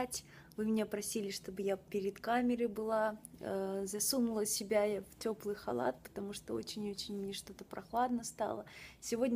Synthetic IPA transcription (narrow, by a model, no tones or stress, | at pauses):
tʲ | vɨmʲɪnʲepɾɐsʲilʲɪʂt̪o̞bɨjapʲɪɾʲɪt̪kamʲɪɾɨjbɨlˠa | zɐsumʊlˠəsʲɪbʲajaftʲo̞plˠɨjxɐlˠa̰t̪̚pə̥t̪ɐmuʂt̪oo̰t͡ɕɪnʲot͡ɕɪnʲmnʲeʂt̪o̞t̪əpɾɐxlˠad̪nəst̪a̰lˠəsʲɪvo̞dʲnʲ